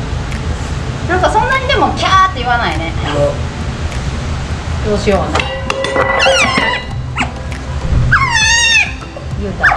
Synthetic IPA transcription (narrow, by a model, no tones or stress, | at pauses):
nãŋkasõ̞nːaɲ̟id̪e̞mokʲʰat̪ːe̞iβanaine̞ | d̪oːɕioβana | jɯːt̪a